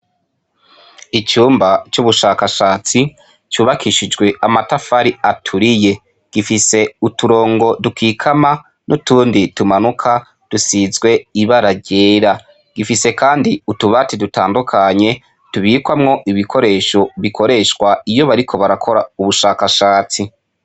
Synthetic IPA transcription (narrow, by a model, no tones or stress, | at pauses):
it͡ʃuːmbat͡ʃuβuʃaːkaʃaːt͡si | t͡ʃuːβakʰiʃid͡ʒɡwe̞amatafaɾiatʰuɾije̞ | ɡ̥ifise̞utuɾo̞ːŋɡo̞dukʰiːkʰama | nutuːnditumanukʰa | d̥usizɡwe̞iβaɾaɟe̞ːɾa | ɡ̥ifise̞kaːndiutuβatidutaːndukʰaɲe̞ | tuβiːkwamŋo̞ʔiβikʰo̞ɾe̞ːʃo̞βikʰo̞ɾe̞ʃwaijo̞βaɾikʰo̞βaɾakʰo̞ɾauβuʃaːkaʃaːt͡si